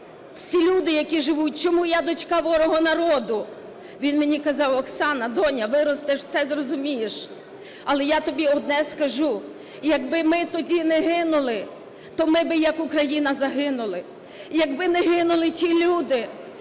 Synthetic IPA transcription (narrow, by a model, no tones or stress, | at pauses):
w̥sʲilʲud̪ɪjɐkʲiʒɪʋut̚ʲt͡ʃɔmujad̪ɔt͡ʃkɑʋɔɾɔɦɔnɐɾɔd̪ʊ | ʋʲinmɪnʲikɐzɑwɔksɑnɐd̪ɔnʲɐʋɪɾɔst̪ɛʃwsɛzrɔzʊmʲijeʃ | ɐlˠɛjat̪ɔbʲiɔd̪̚nɛskɐʒu | jɐɡbɪmɪt̪ɔdʲinɛɦɪnʊlˠɪ | t̪ɔmɪbɪjɐkʊkɾɐjinɐzɐɦɪnʊlˠɪ | jɐɡbɪnɛɦɪnʊlˠɪtʲilʲud̪ɪ